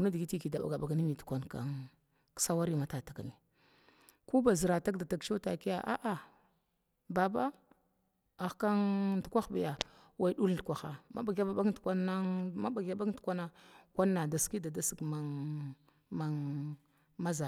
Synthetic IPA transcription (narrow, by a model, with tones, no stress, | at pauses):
u˨na˦di˨ɡi˦ti˦ki˨da˨ba̰˨ɡa˨ba˨ɡa˨ni˦mi˨tu̥˨kʷa˨nka̰˨ŋ | ksa˦wa˦ɾi˦ma˨˦ta˨ta˨kni˨ | ku˦ba˨zi˨ɾa˨ta˦kda˨ta˨kt͡ʃo˦ta˨ki˦ja˨ʔa̰˦ʔa˨ | ba˨ba˦ | a˨xka˦ndu˨kʷa˦xba˨ja˨ | wa˨i˨˦ɗu˦ldu˨kʷa˨xa˨ma̰˦ba˨ɡa˦ba˨ba˦tkʷa˦na˦ma˦ɓa˨ɡja˦ba˦tkʷa˦na˦kʷa˦nːa˨da˨ski˦da˨da˦si˨kma˦ | ma˨ | ma˦za˨